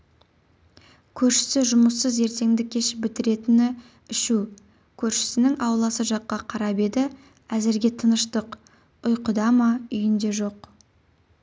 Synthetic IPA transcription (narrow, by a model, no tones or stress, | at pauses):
kʲʰɵɾʃɪ̥sɪʒʊməsːəze̞ɾt̪e̞ŋd̪ɪkʲʰːe̞ʃɪpbɪt̪ɪɾe̞t̪ɪnɪ | ɪʃu | kʲʰɵɾʃɪ̥sɪnɪŋɑwlˠɑsəʒɑqːɑqʰɑɾɑbe̞d̪ɪ | æzɪɾɡʲe̞t̪ʰənəʃt̪əq | ʊjqʊd̪ɑmɑʏjɪnd̪e̞ʒo̞q